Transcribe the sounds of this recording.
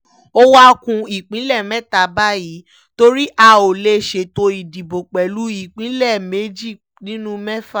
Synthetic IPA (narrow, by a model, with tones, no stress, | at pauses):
o˦wa˦kũ˧i˨k͡pĩ˨˦lɛ˦˨mɛ˦ta˨ba˦ji˨˦ | to˦ɾi˦ʔa˧o˨le˦ʃe˧˨to˧i˨di˨bo˨k͡pɛ˨lu˨˦i˦˨k͡pĩ˨˦lɛ˦˨me˨˦d͡ʒi˦˨ | nĩ˨˦nũ˦mɛ˦fa˦˨